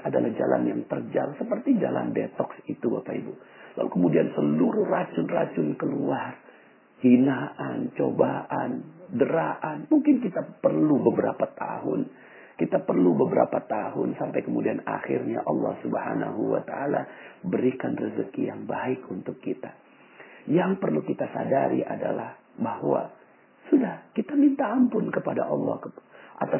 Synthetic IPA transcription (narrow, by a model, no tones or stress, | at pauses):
ʔadalahd͡ʒala̰njaŋt̪ərd͡ʒalsəpərt̪id͡ʒalʔa̰nbet̪ɔksit̪ubapaibulalukəmudiansəluɾʊhrat͡ʃʊnrat͡ʃʊnkəluar | hinaʔant͡ʃobaʔandəɾaʔanmuŋkɪnk̬it̪apərlubəbəɾapat̪a̰ɦʊn | kit̪apərlubəbəɾa̰pat̪aɦʊnsampajkəmudianaxɪrɲa̰ʔɑlːɑ̰hsubəhana̰ɦuwa̰t̪aʔalabəɾikanrəzəkijaŋbaɪkunt̪ʊkːit̪a | jaŋpərlukit̪asa̰daɾḭʔadalah | bahwa̰ | sudahkit̪amint̪aːmpʊnkəpada̰ʔɑlːɑ̰hkʔat̪a